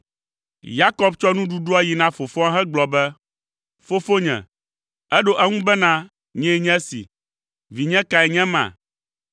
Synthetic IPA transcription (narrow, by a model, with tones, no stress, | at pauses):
ja˦kɔ˦bt͡ʃɔ˦nũ˦ɖu˦ɖo˦a˦ji˨nã˦fo˨fɔ˦a˦ɦɛ˦ɡ͡blɔ˨bɛ˦ | fo˦fo˦ɲɛ̰̃˨ | ɛ˦ɖo˦ʔɛ˦ŋũ˦bɛ˦nã˦ | ɲɛ̃˦ɲɛ̃˦sḭ˨ | vi˨ɲɛ̃˦ka˨ɛ˨ɲɛ̃˦mã̰˨